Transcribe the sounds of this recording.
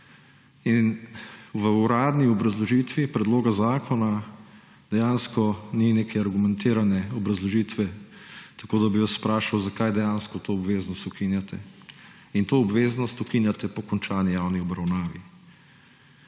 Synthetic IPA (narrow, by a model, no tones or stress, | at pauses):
inʋəuɾaːd̪niɔbɾazlɔʒiːt̪ʋipɾɛd̪loːɡazaːkʰɔna | d̪ɛjanskɔnineːkʰɛaɾɡumɛ̃nt̪eːɾanɛɔbɾɐzlɔʒiːt̪ʋɛt̪ḁkoːd̪abiʋaspɾaːʃawzakajd̪ɛjaːnskɔt̪oːbʋeːznɔst̪ukinjat̪ɛ | int̪oːbʋeːznɔst̪ukinjat̪ɛpɔkɔnt͡ʃaːnijawniɔbɾawnaːʋi